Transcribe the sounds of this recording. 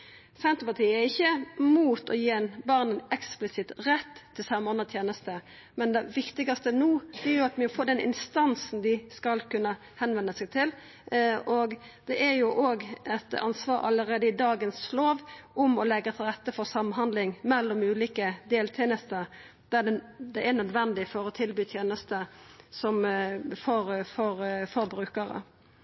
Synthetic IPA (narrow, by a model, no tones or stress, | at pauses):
sɛnt̪əpɑt̪ʰiːəæɾɪçːəmuːt̪ɔjeːɛnbɑʁnənɛksplɪsɪt̪ɾɛt̪ʰːɪlsɑmɔnːət̪ʰjeːnəst̪ə | mɛnd̪ɛʋɪkt̪ɪɡɑst̪ənuːæjʊɑt̪mɛfoːd̪ɛnʔɪ̰nst̪ɑnsn̩d̪ɪskɑlkʉnːə | hɛnʋɛnːəsɛɡt̪ʰɪl | ɔɡ | d̪̥ɛʔɛɾjʊʔoːɡɛt̪ɑ̰nsʋɑːɾɑ̰ləɾeːd̪əɪd̪ɑːɡənsloːʋʊmɔlɛɡːət̪ʰɪlʁɛt̪ːəfɔɾsɑmnɦɑnd̪lɪŋmɛlːɔmʉːliːkəd̪eːlt̪ʰɛnəst̪əɾ | d̪̥æɖɛd̪ɛɛnœd̪ʋɛnd̪ɪfɔɾɔt̪ʰɪlbyːt̪ʰjeːnəst̪əsɔmfɔɾfɔɾfɔɾbɾʉːkəɾə̰